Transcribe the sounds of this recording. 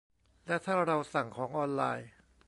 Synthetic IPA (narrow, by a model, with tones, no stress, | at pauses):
lɛ˦˥t̪ʰaː˥˩ɾa˧wsa˨˩ŋkʰɔː˩˦ŋʔɔː˧nla̰ː˧j